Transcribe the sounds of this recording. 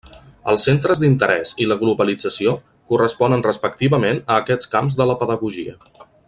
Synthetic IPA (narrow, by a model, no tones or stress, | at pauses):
ə̰lˠsːent̪ɾəzd̪int̪əɾɛsiləɣluβəlid͡zəsio | kurəspɔnənrəspək̚t̪iβəmenəːkɛt͡skamzðələpəðəɣuʒiə